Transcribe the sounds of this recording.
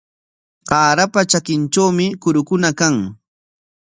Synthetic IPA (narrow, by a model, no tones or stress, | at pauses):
ɢɑːɾapat͡ʃakɪnt͡ʃawmɪkʊɾʊkʊnakaŋ